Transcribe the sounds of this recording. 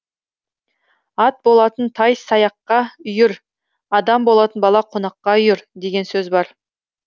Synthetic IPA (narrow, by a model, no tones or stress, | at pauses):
ɑt̪̚bo̞lˠɑt̪ənt̪ʰɑjsɑjɑqːɑʏjɪɾ | ɑd̪ɑmbo̞lˠɑt̪ənbɑlˠɑqʰonɑqːɑʏjɪɾd̪e̞ɡʲe̞nsɵzbɑɾ